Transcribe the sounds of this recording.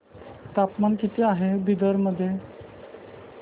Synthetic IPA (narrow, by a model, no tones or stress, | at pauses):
t̪apmankit̪iːaɦebid̪əɾməd̪ʱːje